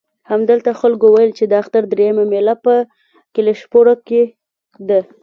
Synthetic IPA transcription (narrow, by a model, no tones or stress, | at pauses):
hamd̪əlt̪axalkowajəlt͡ʃed̪əaxt̪aɾd̪ɾejəmamelapə | kɪleʃpoɽoke | d̪ə